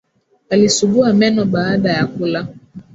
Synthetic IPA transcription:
alisuɓuamɛnɔɓaːɗajakula

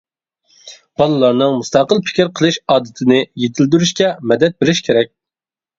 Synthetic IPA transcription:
b̥ɑlˠɨlˠɑɾnɨŋmust̪ɑqəlˠpʰɪ̥kʲiɾqʰəlˠɨʃɑːd̪ɨt̪ʰɪnɪjet̪ʰɪld̪yɾyʃkʲɛmɛd̪ɛt̪̚beɾɪʃkʲʰeɾɛk̚ʲ

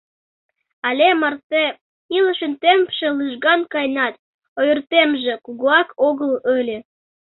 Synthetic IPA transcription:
ɑlʲemɑrt̪e | iləʃənt̪empʃĕlɨʒɣɑnkɑjnɑt̪̚ | ojyrt̪emʒekuɣuɑkoɣələlʲe

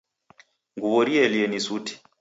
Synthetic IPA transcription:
ŋɡuβɔɾiɛliɛnisuti̥

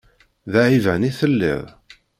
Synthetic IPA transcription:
ðaʕivæniθəlːɪ̰ðˤ

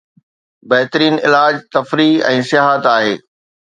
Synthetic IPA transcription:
bɐɦt̪əɾiːnɪlaːd͡ʑt̪ɐfɾiɛ̃ːsɪjaːɦət̪aːɦeː

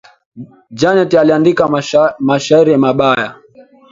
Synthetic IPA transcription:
d͡ʒanɛtialiandikamaʃaiɾimaɓaja

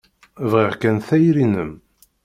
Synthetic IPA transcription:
vʁiʁkænθæjɾinəm

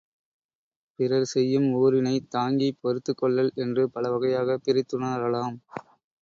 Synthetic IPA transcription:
pɪɾɐɾsɛjːɯmoːɾɪnɐɪt̪aːŋɡipɔɾɯt̪ːɯkːɔɭːɐlɛndrɯpɐɭɐʋɐɣɐjaːɣɐpɪɾɪt̪ːɯnaɾɐlaːm

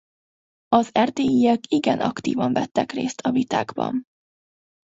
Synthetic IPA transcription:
ɒzɛrt̪eːjiɛkiɡɛnʔɒkt̪ḭːvɒɱvɛt̪ːɛkreːst̪ʰɒvit̪aːɡbɒ̰n

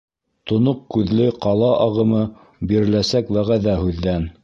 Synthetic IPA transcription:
t̪ŏnoqkʉðlɘqɑlˠɑʔɑʁɤ̆mɤ | biɾɘ̆læsækwæʁæðæhʉðːæn

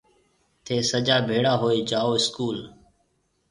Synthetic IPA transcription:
t̪ʰeːsəd͡ʒaːbʱeːɽaːɦoːeːd͡ʒaːoːɪskuːl

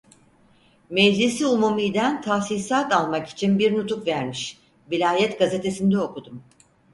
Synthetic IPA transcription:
mɛd͡ʒlʲisiumumijd̪ænt̪ʰasisaːt̪alˠmaki̥t͡ʃʰinbiɾnut̪ʰukvæɾmiʃ | vilʲaːjɛt̪ɡaze̞t̪ʰe̞sind̪ɛo̞kud̪um

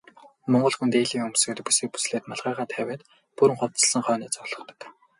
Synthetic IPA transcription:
mɔɴɢɞ̆ɮxunt̪eːɮiːŋɵmsɘ̆kt̪puseːk̚pu̥sɮeːt̪naɮʁæːʁaːt̪ʰæwʲeːt̪ | puɾɘ̆ŋχʊwt͡sə̆ɮsə̆ŋχœːniːt͡sɔɮ̥ɞ̆χt̪ɞ̥̆k

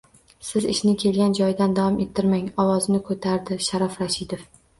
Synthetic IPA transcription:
sɪzɪʃnɪkʲʰe̞lɡʲand͡ʒɒjd̪and̪awɒme̞t̪ʰːɪɾmaŋɒwɒznɪkʰot̪ʰaɾd̪ɪʃaɾafɾaʃɪd̪of

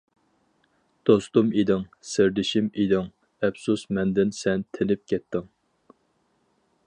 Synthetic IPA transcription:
d̪̥ost̪umid̪ɪŋsɪɾd̪ɪʃimid̪ɪŋ | ɛpsusmɛnd̪ɪnsɛnt̪ʰɪnɪp̚kʲʰɛt̪ʰːɪŋ

